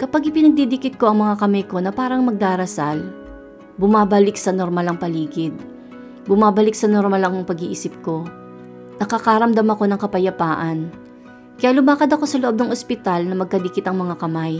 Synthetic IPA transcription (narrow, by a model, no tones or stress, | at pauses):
kɐpaɡʔɪpɪnɐɡ̚d̪id̪ɪkɪt̪̚ko̞ʔɐŋmɐŋakɐmɐjko̞nɐpaːɾɐŋmɐɡ̚d̪aːɾɐsal | bʊmaːbɐlɪksɐnoɾmɐlɐŋpɐliːɡɪd̪̚ | bʊmaːbɐlɪksɐnoɾmɐlɐŋoŋpɐɡiʔiːsɪp̚ko̞ | nɐkɐkaɾɐmd̪ɐmɐko̞nɐŋkɐpɐjɐpaːʔɐn | kɐjaːlʊmaːkɐd̪ɐko̞sɐloʔo̞b̚nɐŋʔospɪt̪alnɐmɐɡ̚kɐd̪ɪkɪt̪ɐŋmɐŋakɐmaj